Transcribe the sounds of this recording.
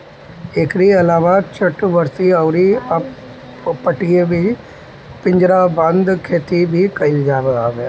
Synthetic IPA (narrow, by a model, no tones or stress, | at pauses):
ɪkɾiːəlaːʋaːt͡ʃʰəʈʋəɾsiːəʊɾiːə | pəʈiːeːbiː | pɪ̃ɲd͡ʒɾaːbə̃nd̪kʰeːt̪iːbʱiːkəɪld͡ʒaːʋeaːʋeː